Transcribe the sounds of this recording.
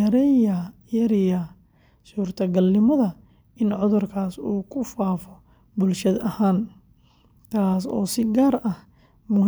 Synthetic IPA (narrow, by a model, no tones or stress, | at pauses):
ɐɾɛjɐjɐɾɪjɐ | suːrt̪ʰɐɡɐlːɪmɐðɐ | ɪnʕʊðʊrkʰaːsuːkʰʊfaːfɔ | bʊlʃɐd̪ɐhaːn | t̪ʰaːsɔ̰ːsɪɡaːrʔɐh | mʊ